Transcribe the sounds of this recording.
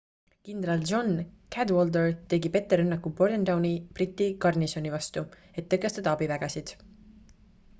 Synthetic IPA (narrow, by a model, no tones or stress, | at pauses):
kind̪rɑld͡ʒo̞nkʰæd̪wold̪ert̪e̞ɡipe̞t̪ːe̞ɾɤnːɑkːˑubo̞rd̪end̪ɑwnib̥rit̪ːikɑrniso̞nivɑst̪u | e̞t̪ːɤkːˑe̞st̪ɑd̪ɑɑbivæɡ̥ɑsid̪̥